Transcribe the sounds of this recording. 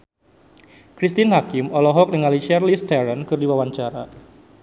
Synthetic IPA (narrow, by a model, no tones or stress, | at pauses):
kɾist̪ɪnɦakɪmɔlɔɦɔk̚dəŋalit͡ʃɛrlist̪ɛɾənkɨrdiwawaɲt͡ʃaɾa̰